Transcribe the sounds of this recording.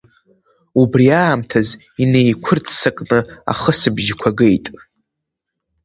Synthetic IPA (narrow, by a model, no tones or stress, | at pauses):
ubriaːmtʰazine̞jkʷʰʊrtʰʼsakʼnɨa̰χəsɨbʒkʷʰaɡe̞jtʼ